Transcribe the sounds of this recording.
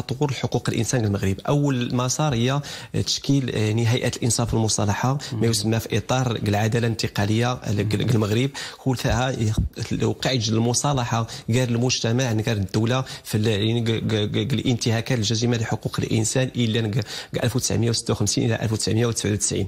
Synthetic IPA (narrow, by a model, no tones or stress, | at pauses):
ɑt̪ˤwʊɾəlħoquqəlʔə̰nsænɡəlməɣɾəbʔəwːəlmɑsˤɑɾˤhəjːæt̪ə̥ʃkilnəɦæjʔæt̪əlʔənsˤɑfəlmʊsˤɑlɑħamæjusəmːæfiʔit̪ˤɑɾˤɡəlʕad̪ælant̪əqɑləjːaɡəlməɣɾəb̚kult̪æhæ | qɑʕəʒləlmʊsˤɑlɑħaɡæɾəlmʊʒt̪æmaʕnɡæɾd̪ːuwlafilnəɡɡəlʔənt̪əhækæt̪əlʒæzəmaləħoquqəlʔə̰nsænʔəlːænəɡɡʔæ̰lfwt̪ə̥sʕməjawsə̥t̪ːawxəmsinʔə̰lːæ̰ʔæ̰lfwt̪əsʕmjawt̪əsʕiwt̪ə̥sʕḭn